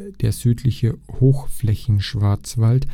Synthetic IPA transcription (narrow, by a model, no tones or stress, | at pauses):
d̥eːɐzyːtʰlɪçəhoːxflɛçn̩ʃv̥aɐt͡sv̥alt